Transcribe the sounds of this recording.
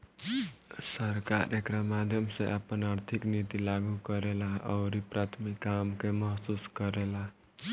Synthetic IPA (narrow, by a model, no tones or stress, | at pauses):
səɾkaɾʔekɾamad̪ʱjəmsḛ̃ʔəpənaɾt̪ʰiknit̪ilaɡukəɾelaʌ̰ʊɾipɾat̪ʰmikːamkemʌɦsuskəɾela